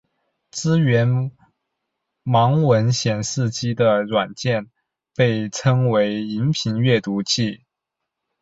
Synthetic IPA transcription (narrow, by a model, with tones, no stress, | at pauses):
t͡sɹ̩˥ɥɛ˧˥n | mɑ˧˥ŋwə˧˥nɕjɛ˨˩nʂɻ̩˥˩t͡ɕi˥d̪ə˨ɻwa˨˩nt͡ɕjɛ˥˧n | pe˥˩ɪʈ͡ʂʰɤ˥ŋwe˧˥ɪi˧˥npʰi˧˥nɥɛ˥˩t̪u˧˥t͡ɕʰi˥˩